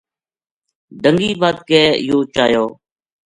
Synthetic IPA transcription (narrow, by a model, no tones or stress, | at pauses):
ɖəŋɡiːbaːd̪̚kɛːjoːt͡ʃaːjoː